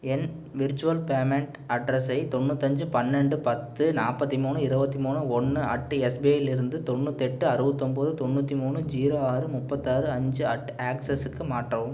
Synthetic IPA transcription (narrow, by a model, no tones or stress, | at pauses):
ɛn | ʋɪɾt͡ʃːʋɐlpeːmɛɳʈ | ɐɖɾɐsɐɪt̪ɔɳːut̪ːɐɲd͡ʒɯpɐnːɛɳɖɯpɐt̪ːɯnaːpːɐt̪ːimuːnɯɪɾɯbɐt̪ːimuːnɯɔɳːɯɐʈːɯɛsbeːjɪlɪɾɯnd̪ɯt̪ɔɳːut̪ːɛʈːɯɐɾɯʋɐt̪ːɔmpoːðɯt̪ɔɳːuːt̪ːimuːnɯd͡ʒiːɾoːaːɾɯmʊpːɐt̪ːaːɾɯɐɲd͡ʒɯɐʈaːksɐsɯkːɯmaːʈrɐʋɯm